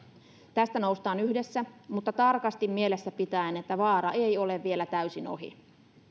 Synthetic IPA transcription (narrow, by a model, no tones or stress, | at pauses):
t̪æst̪ænoust̪ɑːnyhde̞sːæmut̪ːɑt̪ɑrkɑst̪immie̞lesːæpit̪æenet̪ːæʋɑːɾɑʔejo̞leʋʋie̞læt̪æysino̞̰ɦḭ